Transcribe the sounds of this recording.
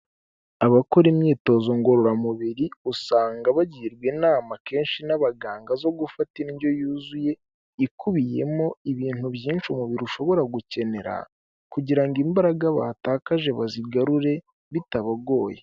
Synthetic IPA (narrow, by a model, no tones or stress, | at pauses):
aβako̞ɾimɲiːto̞zo̞ŋɡo̞ɾoɾamuβiɾiusaːŋɡaβaɟiːɾɡwenaːmake̞ːnʃinaβaɡaːŋɡazo̞ɡufatiɾinɟjo̞juːzuje̞ | ikuβije̞̰mo̞iβiːn̥huβjiːnʃomuβiɾuʃo̞βo̞ɾaɡuce̞ne̞ɾa̰ | kuɟiɾaŋɡimbaɾaɡaβaːtaːkaʒe̞βaziɡaɾuɾe̞ | βitaβaɡo̞ːje